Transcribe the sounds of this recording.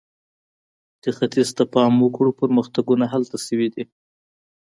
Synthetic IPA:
d̪̥əxat̪izt̪apɑmwəkɽupəɾməxt̪aɡunaɦalt̪asəwid̪i

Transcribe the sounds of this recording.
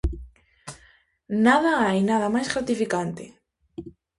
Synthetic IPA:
nað̞aajnaðɐmajzɣɾat̪ifikant̪ɪ

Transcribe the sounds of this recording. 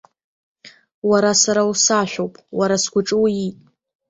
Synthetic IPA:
waɾasaɾawsaʃʷᶣowpʼwaɾasɡʷʊʈ͡ʂʼɨwjitʼ

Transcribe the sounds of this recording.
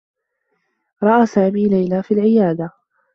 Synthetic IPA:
ɾˤɑʔaːsaːmiːlajlaːfiːlʕɪjaːd̪a

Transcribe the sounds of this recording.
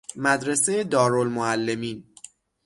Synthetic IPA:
mæd̪ɾe̞sejed̪ɒːɾolmoælːe̞miːn

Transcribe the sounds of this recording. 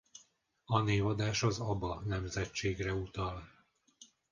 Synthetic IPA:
ɒneːvɒd̪aːʃɒzɒbɒnɛmzɛt͡ʃːeːɡrɛut̪ɒl

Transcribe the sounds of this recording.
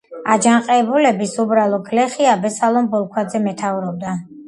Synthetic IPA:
ad͡ʒanqʼɛbulɛbisubɾalˠɔɡlɛχiabɛsalˠɔmbɔlˠkʰwad̪zɛmɛt̪ʰavuɾɔb̚d̪a

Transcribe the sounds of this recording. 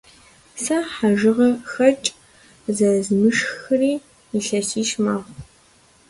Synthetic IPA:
sɐħaʒɨʁɐxɐt͡ʃʼ | zɐzmɨʂxxɐriː | iɬɐsiːʃmaːʁʷ

